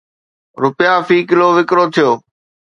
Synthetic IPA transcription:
ɾʊpɪjaːfiːkɪloːʋɪkɾoːt̪ʰɪjoː

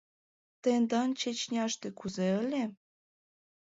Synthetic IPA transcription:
t̪end̪ɑnt͡ɕet͡ɕnʲɑʃt̪ekuzeə̆lʲe

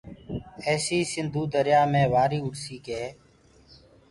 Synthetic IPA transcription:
ɛːsiːsɪnd̪ʱuːd̪əɾjaːmẽːʋaːɾiːʊɽsiːkeː

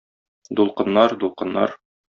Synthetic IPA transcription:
d̪ulˠqɤ̆nːɑɾd̪ulˠqɤ̆nːɑ̰ɾ

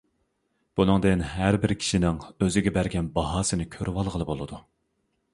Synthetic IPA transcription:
b̥unɨŋd̪ɨnɦæɾbɪɾkʲʰi̥ʃinɪŋøzɪɡʲɛbæɾɡʲɛnbɑɦɑːsɨnɪkʲʰøɾʔwɑlˠʁəlˠɨbolˠɨd̪u

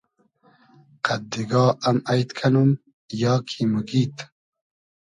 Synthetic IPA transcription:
qʰad̪iɡɑːɐmajt̪kʰanum | jɑːkʰiməɡiːt̪

